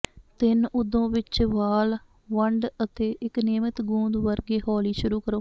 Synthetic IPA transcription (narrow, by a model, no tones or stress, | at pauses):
t̪ɪnʊd̪õːʋɪt͡ʃʋaːl | ʋəɳɖət̪eːʔɪkneːmət̪ɡũːnd̪ʋəɾɡeːɦɔːliːʃʊɾuːkəɾoː